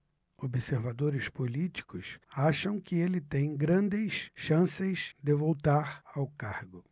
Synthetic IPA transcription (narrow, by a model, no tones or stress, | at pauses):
obɪseɾvad̪oɾɪspolit͡ʃi̥kʊsaʃɐ̃w̃kɪelɪt̪ẽj̃ɡɾɐ̃nd̪ɪsʃɐ̃sezd̪ɪvowt̪aɾawkaɾɡʊ